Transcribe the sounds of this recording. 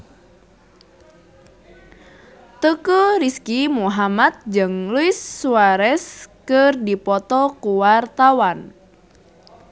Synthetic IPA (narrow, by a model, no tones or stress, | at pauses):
t̪əkəriskimuɦamat̪̚d͡ʒəŋluɪsːuaɾɛskərdipɔt̪ɔkuwart̪awan